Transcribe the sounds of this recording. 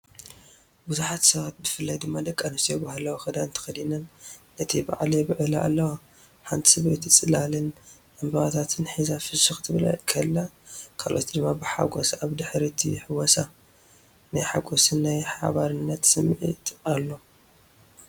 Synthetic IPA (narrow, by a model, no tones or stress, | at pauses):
buzuħat̪sɐβat̪̚bɨfɨlːajd̪ɨmːad̪ɐkʼːanɨst̪ijɛbahalɐwoxɐd̪aɨnt̪ʰɐ̥xɐd̪inɐnː | ɐt̪ʰiba̰ʕlibɨʕɨlaʔa̰lːɐwo | ħant̪ʰi̥sɨβet̪ʰt͡sʼɨlalɨnʔɐmbɐɣat̪ʰat̪ʰɨnħizafɨsuxt̪ʰɨβla̰kʰɐlːakʰalʔo̰t̪d̪ɨmːabɨħa̰ɡosaβd̪ɨħɾit̪ʰḭħɨwɔsa | najħaɡosɨnːajħa̰βaɾɨnːɐt̪sɨmːʕḭt̪ʼalːo̞